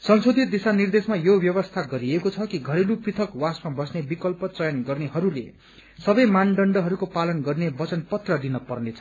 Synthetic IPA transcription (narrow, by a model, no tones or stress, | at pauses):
sʌnsod̪ʱit̪̚d̪isanird̪esmajobjʌbʌst̪ʰaɡʌɾiekot͡sʰʌkiɡʱʌɾeluprit̪ʰʌkwasmabʌsnebikʌlpʌt͡sʌjanɡʌrneɦʌɾule | sʌbʌjmanɖʌɳɖʌɦʌɾukopalʌnɡʌrnebʌt͡sʌnpʌt̪rʌd̪inʌpʌrnet͡sʰʌ